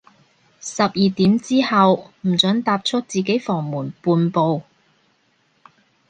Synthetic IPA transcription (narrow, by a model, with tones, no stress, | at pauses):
sɐ˨p̚jiː˨t̪iː˨˥mt͡siː˥hɐ˨wm̩˨˩t͡sɵ˨˥ŋt̪aː˧p̚t͡ʃʰɵ˥t̚t͡siː˨˩ke˨˥jfɔː˨˩ŋmuː˨˩npuː˧npo˨˧w